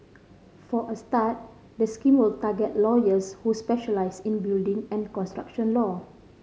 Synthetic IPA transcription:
fɔʔəstat̚ | dəskĩmwɪltaɡɛt̚lɔjəshuspɛʃəlaɪsĩnbildĩŋɛ̃nkɔ̃nstɹa̰kʃɔ̃nlɔ

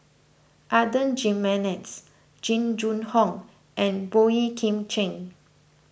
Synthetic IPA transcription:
ʔadə̃nd͡ʒĩmːɛnɛts | d͡ʒĩnd͡ʒũnhɔ̃ŋ | ʔɛ̃nboikʰĩmt͡ʃẽŋ

